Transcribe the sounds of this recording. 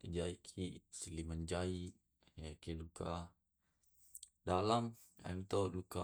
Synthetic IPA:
id͡ʒaikʰisilimand͡ʒaiʔ | jakilukʰa | dalam | ja̰nut̪oduka

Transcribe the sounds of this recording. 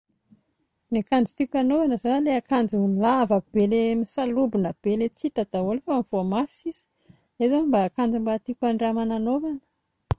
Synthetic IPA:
nakand͡zit̪ikʲanovanəzaleakand͡zimilavəb̥elemisalubinəb̥elet͡sit̪at̪aolefamiv̥oamasizə̥ | ezanmbaːkand͡zimbat̪ikʲaɳɖ͡ʐamananovanə̥

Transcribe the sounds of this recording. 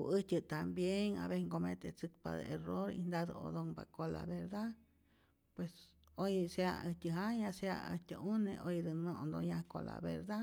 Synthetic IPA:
ʔɨtʲɨt̪ambjeŋa̰βeŋkomet̪et͡sɨkpa̰d̪eeroɾḭnd̪ad̪ə̰o̰d̪oŋbakola̰βeɾd̪a | pwes | ojseaətʲəɦajaseaəht̪ʲəʔuneʔojd̪ɨnond̪ojakola̰beɾd̪a

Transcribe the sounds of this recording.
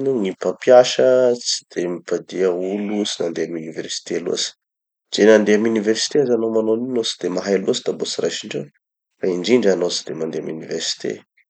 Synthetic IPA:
nuŋipapjaʃət͡si̥d̪̥emipad̪iəulut͡sinand̪eamyniversi̥t̪ealṵasi̥ | d͡ʒ̥enand̪eamyniversi̥t̪eazanomanoninosi̥d̪emaɦajaluasid̪abot͡sirajʃiɳɖ͡ʐo̰ | faiɳɖ͡ʐiɳɖ͡ʐanot͡si̥d̪emand̪eamuniversi̥t̪ḛ

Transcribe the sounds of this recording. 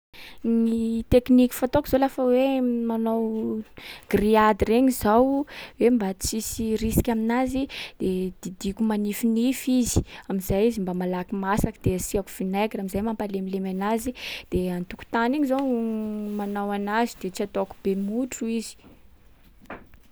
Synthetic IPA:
nit̪eknikʲi̥fat̪okiz̥olafəwemanaw | ɡ̥riad̪ireɲizawwembat͡sisirisi̥kʲaminazid̪̥ed̪̥id̪ikʲumanifinifizi̥amiz̥ajizimbamalakimasakid̪̥easiaku̥finaɡiɾamizajmampalemilemanazid̪̥eant̪uku̥t̪aniɲizawmanawanazid̪̥et͡siat̪okubemuʈ͡ʂuizi̥

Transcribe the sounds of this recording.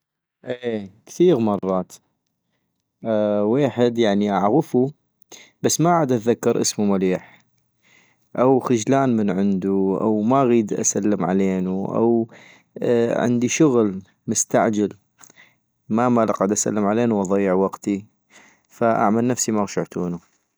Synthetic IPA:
ʔeːkθiːɣmɑrˤːɑːt̪ | ʔweːħɪd̪jaʕniʔaʕɣəfu | b̥asːmaʕaːd̪ʔat̪ðakːɑɾʔə̰smumaliːħ | ʔawxɪd͡ʒlaːnmənʕɪnd̪uʔa̰wmaɣiːd̪ʔa̰salːəmʕaleːnuʔa̰w | ʕɪ̰nd̪iʃʊɣl | mʊst̪aʕd͡ʒal | mamalaqːd̪ʔasa̰lːəmʕaleːnuwʔɑðˤɑjːəʕwɑqt̪i | faʔa̰ʕmalnafsimaɣʃaʕt̪uːnu

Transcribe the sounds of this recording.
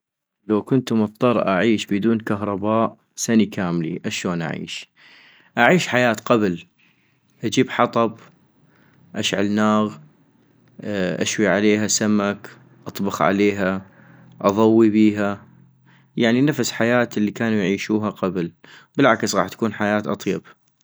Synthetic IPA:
lawkʊnt̪mʊθt̪ˤɑɾˤʔaʕiːʃbɪd̪uːnkaɦɾˤɑbaːʔ | sanikʰaːmlḭʔaʃoːnʔa̰ʕḭːʃ | ʔaʕiːʃħajaːt̪qabl | ʔad͡ʒiːbħɑt̪ˤɑb | ʔaʃʕa̰lnaːɣ | ʔa̰ʃwiʕaleːɦasamːak | ʔɑt̪ˤbɑxʕa̰leːɦa | ʔɑðˤɑwːibiːɦa | jaʕninafsħajaːt̪ɪlːikaːnujʕiːʃuːɦaqablbəlʕaksɣɑːħt̪ːḁkuːnħajaːt̪ʔɑt̪ˤjɑb̥

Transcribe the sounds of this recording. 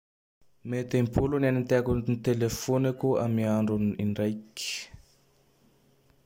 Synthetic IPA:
met̪empulunanint̪akunit̪elefonakua̰miaɳɖ͡ʐuniɳɖ͡ʐajki̥

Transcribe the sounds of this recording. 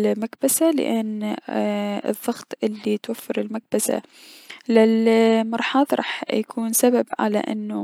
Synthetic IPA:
makbasalɪ̰ʔanː | ɨ̰ðˤːɑɣt̪ˤʔɪlːit̪wafːɪɾɪlmak̚basa̰ | lɪlmɑɾˤħɑːðˤɾˤɑ̰ːħjakʰuːnsababʕa̰la̰ʔɪ̰nːu

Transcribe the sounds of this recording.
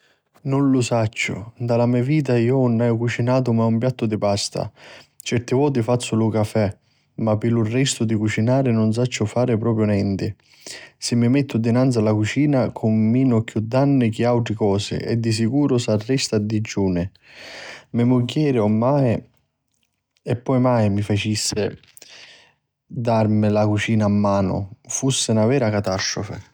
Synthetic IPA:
nʊnlʊsat͡ʃːʊ̰d̪alamiviːt̪̬aiːʊnːajʊkut͡ʃinaːt̪̬ʊmaumpjat̪ːʊd̪ɪpast̪a̰t͡ʃɛɾt̪ɪvɔːt̪̬ɪfat̪sːʊlʊkafɛ | mapːɪlʊrːɛst̪ʊd̪ɪkut͡ʃinaːɾɪnʊns̬at͡ʃːʊfaːɾɪpɾɔːpɾjʊnɛnt̪ɪ | sɪmːɪmɛt̪ʰːʊd̪ɪnant̪salakut͡ʃiːnakʰʊmːiːnʊkjud̪ːanːɪk̟ɪawt̪ɾɪkɔːsɪ̰ɛ̰d̪ːis̬ikuːɾʊsarːɛst̪ad̪id͡ʒːuːnɪ | mɪmʊɡjɛːɾɪomːaːɪ | ɛpːɔjmaːjmifat͡ʃisːɪ | d̪armɪlakut͡ʃiːnaːmːaːnʊ̰fusːɪnavɛːɾakat̪ast̪ɾʊfɪ̰

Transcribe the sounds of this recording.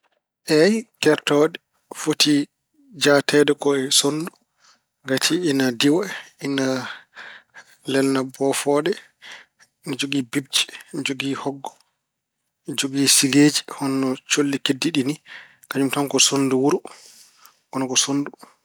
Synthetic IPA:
ʔɛjkɛɾtɔɗɛ | fotʰi | d͡ʒatɛdɛkɔɛsondu | ɡatʰiinadiwaina | lɛlnabɔfɔɗɛ | nid͡ʒoɡibib̚t͡ʃi̥nd͡ʒoɡihɔɡːɔ̥ | d͡ʒoɡisiɡeːd͡ʒihɔnːɔt͡ʃolːikedːiɗini | kaɲumtamkɔsonduwuɾu | ɔnɔkɔsondu

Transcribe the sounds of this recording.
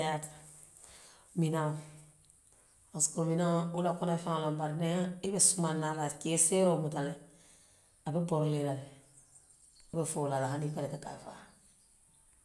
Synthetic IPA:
at | mina | askuɾminaulakonafaŋalambaɾneibesumanalakeseɾomutale | abeboɾleɾale | befolalahanipaɾekaka̰fa̰

